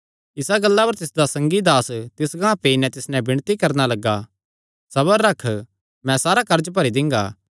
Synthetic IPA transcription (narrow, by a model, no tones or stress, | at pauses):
ɪsaɡɐlːapɐɾt̪ɪsd̪asɐ̃ŋɡid̪aːst̪ɪsɡãːpeːinɛ̃t̪ɪsnɛ̃bɪɽ̃t̪ikɐɾnalɐɡːa | sɐβəɾːɐkʰ | mɛ̃saːɾakɐɾd͡ʒp̬ɐɾid̪ɪ̃ŋ̆ɡa̰ː